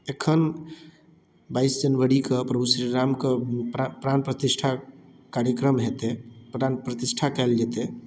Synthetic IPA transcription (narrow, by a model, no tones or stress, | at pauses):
ekʰən | baːɪsd͡ʒənʋəɽikəpɾəbusɾiɾamkəppɾanpɾət̪isʈʰa | kaɾjəkɾəmɦet̪epɾanpɾət̪ɪʃʈʰakɛld͡ʒet̪e